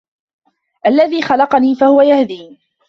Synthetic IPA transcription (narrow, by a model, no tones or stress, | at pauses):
ʔalːaðiːxɑlɑqɑniːfahʊwajahd̪iː